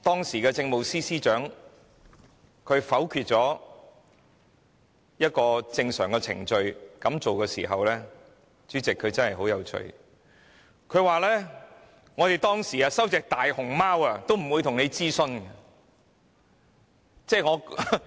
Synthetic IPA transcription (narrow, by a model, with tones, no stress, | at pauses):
t̪ɔː˥ŋsiː˨˩kɛː˧t͡sɪ˧ŋmo˨wsiː˥siː˥t͡ʃœː˨˥ŋ | kʰɵ˨˧ɥfɐ˨˥wkʰyː˧t̚t͡ʃɔː˨˥ | jɐ˥t̚kɔː˧t͡sɪ˧ŋsœ̰ː˨˩ŋkɛː˧t͡sʰɪ̰˨˩ŋt͡ʃɵ˧ɥkɐ˨˥mt͡so˨wkɛː˧sḭː˨˩ɦɐ̰˨wlɛː˥ | t͡ʃyː˨˥t͡sɪ˨kʰːɵ˨˧ɥt͡sɐ˥nhɐ˨˩jɦo˨˥wjɐ˨˧wt͡ʃʰɵ̰˧ɥ | kʰɵ˨˧ɥwaː˨lɛː˥ | ŋɔː˨˧t̪e˨˩jt̪ɔː˥ŋsiː˨aː˧sɐ˥wt͡sɛː˨k̚t̪aː˨jhʊ˨˩ŋmaː˥wɐ˧t̪o˥wm̩˨˩wuː˨˧jt̪ʰʊ˨˩ŋne˨˧jt͡siː˥sɵ˧nɐ˧ | t͡sɛː˥˩ŋɔː˨˧